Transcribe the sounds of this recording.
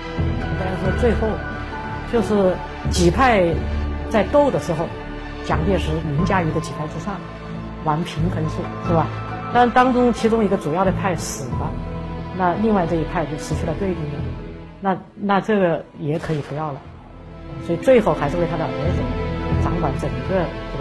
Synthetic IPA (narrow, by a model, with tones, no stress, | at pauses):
t̪a˥˩ʂwɔ˥t͡swe˥˧ɪxo˥˩ʊ | t͡ɕjo˥˧ʊʂɻ̩˥˩ | t͡ɕi˨˩pʰa˥˧ɪt͡sa˥˧ɪt̪o˥˩ʊd̪ə˩ʂɻ̩˧˥xo˧ʊ | t͡ɕjɑ˨˩ŋt̪jɛ˥˩nʂɻ̩˧˥mi˧˥ŋt͡ɕja˥y˧˥d̪ə˧t͡ɕi˨˩pʰa˥˩ɪɻ̩˥˧ʂɑ˥˩ŋ | wa˧˥npʰi˧˥ŋxə˧˥nʂu˥˩ʂɻ̩˥˩bɐ˩ | t̪a˥˩˧t̪ɑ˥ŋʈ͡ʂʊ˥ŋt͡ɕʰi˧˥ʈ͡ʂʊ˥ŋi˧˥ɡə˧t͡su˨˩jɑ˥˩ʊɾə˩˧pʰa˥˩ɪʂɹ̩˨˩bɐ˦na˥˧li˥˧ŋwa˥˧ɪʈ͡ʂɤ˥˧i˥˩pʰa˥˧ɪt͡ɕjo˥˩ʊʂɻ̩˧˥t͡ɕʰy˥˩lə˧˩t̪we˥˧ɪt̪ʊ˥˩ŋ˧˩ | na˥˧ | na˥˧ʈ͡ʂɤ˥˩ɡə˩jɛ˧˥kʰɤ˧˥i˨˩pu˧˥jɑ˥˩ʊlə̰˩ | swɔ˧˥i˨˩t͡swe˥˧ɪxo˥˩ʊxa˧˥ʂɻ̩˥˧we˥˩t̪ʰa˥ə˨ʔə˧˥ʈ͡ʂə˨˩˦nʈ͡ʂɑ˧˥ŋkwa˧˥nʈ͡ʂə˨˩ŋɡə˧˩